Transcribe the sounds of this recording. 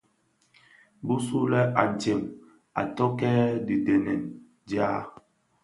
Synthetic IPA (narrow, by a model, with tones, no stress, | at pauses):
bu˦su˦lɛ˦a˨n̩˨t͡ʃe˨m | a̰˨tɔ˦kɛ˦di˨dɛ˨nɛ˨n | d͡ʒa˦